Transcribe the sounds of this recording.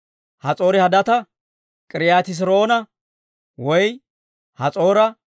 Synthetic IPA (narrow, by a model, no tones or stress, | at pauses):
hɐt͡sʼo̞ːɾɪhɐd̪ɐt̪ɐ | kʼɪɾɪjaːt̪ɪs̬ɪɾo̞ːnɐ | wɔj | hɐt͡sʼo̞ːɾɐ